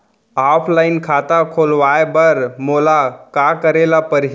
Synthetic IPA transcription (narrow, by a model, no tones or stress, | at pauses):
aːpʰlaːɪnkʰaːt̪akʰoːlʋaːebəɾmoːlakakəɾelapəɾɦ